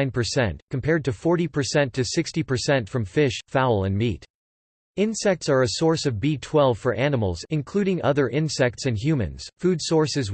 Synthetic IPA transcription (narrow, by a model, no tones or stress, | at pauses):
ɪ̃npʰə˞sɛ̰̃nʔkʰm̩pʰɛɹd̚tɨfɔɹɾipʰə˞sɛ̃ntʰɨsɪkstipʰə˞sɛ̃ntfɹʌ̃ɱfɪʃfaʊl̩ˠə̰̃nmit | ɪ̃nsɛk̚tsə˞ɨsɔɹsʌvbitʰw̥ɛlˠv̥fə˞ʔænəml̩ˠzɨ̃nkʰl̥ʉɾɪ̃ŋʔʌðə˞ʔɪ̃nsɛk̚tsɨ̃nɦjʉmɨ̰̃nz̥fudsɔɹsɨz